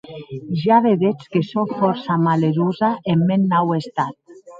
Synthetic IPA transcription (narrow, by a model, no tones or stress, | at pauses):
ʒaβeðet͡skesoɱfɔɾsamaleɾuzaʔemːenːawest̪at̪̚